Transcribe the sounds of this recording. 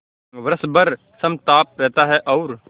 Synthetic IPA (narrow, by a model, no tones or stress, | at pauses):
ʋɾəsbɐɾ | sɐmt̪aːp̚ɾɛɦt̪aɦɛʔɔːɾ